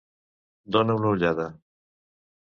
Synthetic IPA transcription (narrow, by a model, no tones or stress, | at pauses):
d̪oneunauʎaða